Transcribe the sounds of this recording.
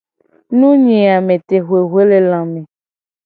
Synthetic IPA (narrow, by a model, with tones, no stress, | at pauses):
nũ˦ɲĩ˨a˨mẽ˨t̪e˨ɦwe˨ɦwe˦le˦lã˨mẽ˨